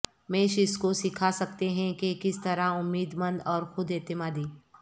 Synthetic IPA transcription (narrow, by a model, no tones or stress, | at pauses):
meːʃɪskosɪkʰasɐkt̪eɦɛ̃kekɪst̪ɐɾaʊmːiːd̪mə̃nd̪ɔːɾxʊd̪et̪ɪmaːd̪iː